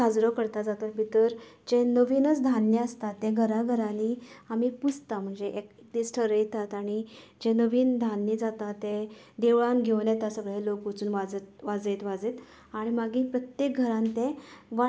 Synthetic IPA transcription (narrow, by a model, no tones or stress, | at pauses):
ad͡zɾəkəɾt̪ad͡zat̪at̪bʱit̪əɾd͡ʑẽnəʋinət͡sd̪ʱanːeəst̪at̪ːɛ̃ɡʱəɾaɡʱəɾãniamiːput͡st̪am̤əɳd͡zeʔekekd̪isʈʰəɾəjt̪at̪aɽ̃i | d͡ʑenəʋiːnd̪ʱanːid͡zat̪at̪ːẽd̪eʋɭaŋɡʱeʋnjat̪asəɡɭelokət͡suːnʋad͡zt̪ʋad͡zet̪ʋad͡zet̪ | aɽ̃imaɡiːpɾət̪jek̚ɡʱəɾãnt̪ẽʋa